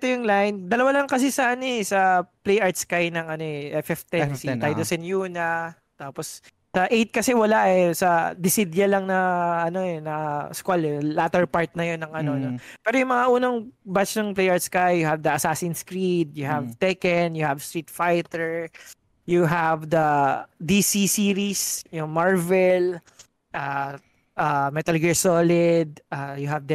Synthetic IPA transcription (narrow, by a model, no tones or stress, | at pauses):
t̪ojʊŋlajnd̪ɐlɐwalɐŋkɐsɪsɐaaneɛsɐplejʔaɹt̪skajnɐŋʔɐno̞ʔɛʔɛfɛft̪ɛnsiajd̪osɛnjuːnɐ | t̪aːpos | sɐʔejt̪̚kɐsɛwɐlaʔɛsɐd̪ɪsid̪jɐlɐŋnɐɐno̞ɛnɐskwalɛlat̪ɛɹpaɹt̪̚nɐjonːɐŋʔɐnonopɛːɾojʊŋmɐŋaʔuːnɐŋbat͡ʃnɐŋplejʔaːɹd̪skɐjʊhɐvd̪ɐʔɐsaːsɪnskɾid̪̚jʊɦɐvt̪ɛkɛnjʊhɐvst̪ɾɹiːt̪fajt̪ɛɹ | jʊɦavd̪ɐd̪isisiɾisjʊŋmaɹvɛl | ʔa | ʔamɛt̪ɐlɡɛɹsolɪd̪̚ʔaːjʊɦɐvd̪ɐ